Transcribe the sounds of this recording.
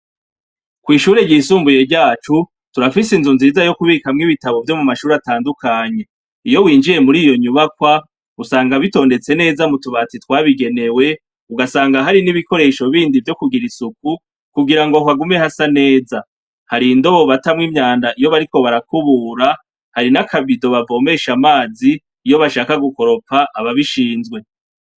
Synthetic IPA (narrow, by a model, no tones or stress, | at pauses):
kwiːʃuːɾe̞ɟiːsuːmbuje̞ɟaːt͡ʃu | tuɾafisinzunziːzajo̞kuβiːkamŋiβitaβo̞vjo̞mumaʃuːɾataːndukʰaɲe̞ | ijo̞wiːnd͡ʒiɾe̞muɾiːjo̞ɲuβakwa | usaːŋɡaβito̞ːnde̞t͡se̞ne̞ːzamutuβat͡sitwaːβiɡe̞ne̞we̞ | uɡasaːŋɡaɦaɾiniβiko̞ɾe̞ʃo̞βiːndivjo̞kuɡiɾisuk̚u | kuɡiɾaŋɡohwaɡume̞hasane̞ːza | haɾindo̞βo̞βatamŋimɲaːndaʔijo̞βaɾiko̞βaɾakuβuːɾa | haɾinakʰaβido̞βavo̞ːme̞ːʃamaːziː | jo̞βaʃaːkaɡuko̞ɾo̞paʔaβaβiʃiːnzɡwe̞